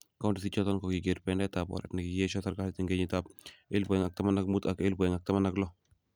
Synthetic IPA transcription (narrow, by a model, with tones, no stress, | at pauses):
ka˦u˦ndi˨si˦t͡ʃɔ˦tɔ˦nkɔ˨ki˨ɡe˨ɾpɛ˦ndɛ˦ta˨pɔ̰˨ɾɛ̰tnɪ˨ki˨je˦ʃɔ˦sa˦ɾɡa˦hti˨ŋɡe˦ɲi˨ta˦p̚ɪ˦lbɔ˨ɛ˨ŋa˨k̚ta˦ma˦na˦k̚mu˦ta˨ke˦lbɔ˨ɛ˨ŋa˨k̚ta˦ma˦na˦klɔ˦